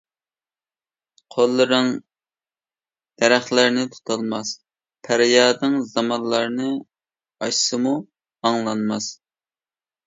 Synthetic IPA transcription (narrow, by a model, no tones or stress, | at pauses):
qʰolˠːɨɾɨŋ | d̪̥ɛɾæχlæɾnɪt̪ʰu̥t̪ʰɑlˠmɑs | pʰæɾjɑːd̪ɨŋzɑmɑnlˠɑɾnɨ | ɑʃsɨmu | ɑŋlˠɑnmɑs